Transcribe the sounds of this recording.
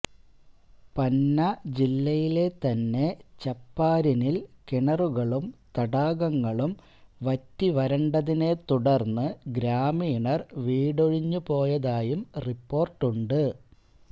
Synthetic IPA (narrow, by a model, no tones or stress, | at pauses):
pɐnːɐd͡ʑilːɐjile̞t̪ɐnːe̞t͡ɕɐpːaːɾinilkiɳɐruɣɐɭumt̪ɐɽaːɣɐŋːɐɭum | ʋɐtːiʋɐɾɐɳɖɐðine̞t̪uɽɐrnːɨɡɾaːmiːɳɐrʋiːɽoɻiɲːupo̞ːjɐðaːjumripːo̞ːrʈːuɳɖɨ